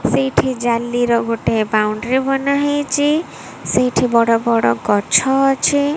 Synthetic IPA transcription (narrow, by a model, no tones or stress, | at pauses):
sejʈʰid͡ʒalːiɾɔɡoʈebawɳɖɾebɔnaɦit͡ʃi | sejʈʰibɔɽɔbɔɽɔɡɔt͡ʃʰɔt͡ʃʰi